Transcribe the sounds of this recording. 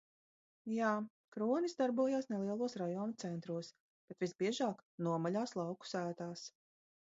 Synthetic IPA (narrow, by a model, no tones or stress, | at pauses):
jaː | kɾuɔnizd̪aɾbuɔjaːsnɛlˠiɛlˠuɔsɾajɔːnut̪sɛnt̪ɾuɔs | b̥et̪visbiɛʒaːknuɔmalʲaːslˠɑwku̥sæːt̪aːs